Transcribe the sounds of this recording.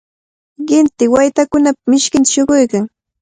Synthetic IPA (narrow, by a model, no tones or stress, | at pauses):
ɢɪnt̪ɪwajt̪akʊnapamɪʃkɪnt̪ḁʃoɢojkaŋ